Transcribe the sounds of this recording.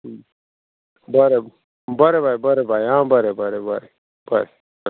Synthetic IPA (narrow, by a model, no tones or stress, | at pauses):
bɐɾe | bɐɾebajbɐɾebajãːbɐɾebɐɾebɐɾe | b̥ɐɾe